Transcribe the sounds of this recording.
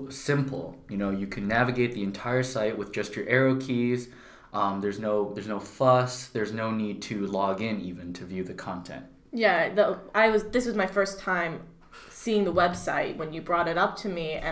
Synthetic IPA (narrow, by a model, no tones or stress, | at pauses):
sɪ̃mpʰl̩ˠjɨnoʊjɨkʰɨ̃nːævɨɡeɪt̪̚ðiɨ̃ntʰaɪə˞saɪʔ̚wɨðd͡ʒʌst͡ʃə˞ʔɛɹoʊkʰiz̥ | ʔʌ̃mðə˞znoʊðə˞znoʊfʌsðə˞znoʊnid̚tʰɨlɔɡɪ̃nivɨ̃ntʰɨvjʉðɨkʰɑ̃ntʰɛ̰̃nt̚ | jæðəaɪwʌzðɪswʌzmaɪfɜ˞stʰãɪ̃m | siɪ̃ŋðəwɛbsaɪt̚wə̃njɨbɹɔɾɨɾʌp̚tʰɨmiɨ̃